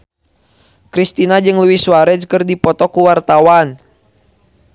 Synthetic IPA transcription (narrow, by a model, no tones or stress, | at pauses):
kɾist̪inad͡ʒɨŋluwiswaɾɛd͡ʒkərdipɔt̪ɔkuwart̪awan